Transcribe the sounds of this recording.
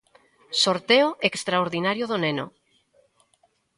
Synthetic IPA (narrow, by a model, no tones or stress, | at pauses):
soɾt̪eoekst̪ɾaoɾðinaɾjoðoneno̰